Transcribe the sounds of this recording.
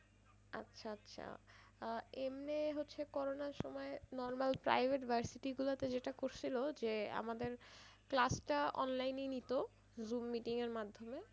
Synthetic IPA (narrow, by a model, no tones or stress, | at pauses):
a̰tːɕʰaatːɕʰa̰ | emneɦotːɕʰekɔɾonaɾʃɔmɔenɔɾmalpɾa̰jbʱeʈbʱaɾsiʈiɡulat̪ed͡ʑeʈakoɾt͡ɕʰilod͡ʑea̰mad̪eɾklasʈaɔ̰nlajninit̪o | zumːiʈiŋeɾmad̪ʱːome